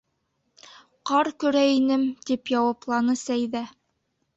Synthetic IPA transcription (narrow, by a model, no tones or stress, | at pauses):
qɑɾkɵ̆ɾæinɘmt̪ipjɑwɑplˠɑnɤsæjðæ